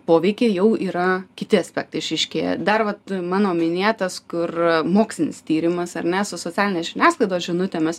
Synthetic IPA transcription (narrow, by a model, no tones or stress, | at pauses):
poːʋʲɛɪkʲeːjɛʊiːɾɐkʲɪt̪ʲɪɐsʲpʲæːk̚t̪ɐɪɪʃʲɛɪʃʲkʲḛːjɛ̰d̪ɐrʋɐt̪mɑːnoːmʲɪnʲeːt̪ɐskʊrmoːksʲlʲɪnʲɪ̰st̪ʲiːɾʲɪmɐsɐrnʲɛsʊsoːt͡sʲæːlʲɪnʲeːsʒʲɪnʲæːsklˠɐɪd̪oːsʒʲɪnʊt̪ʲeːmʲɛs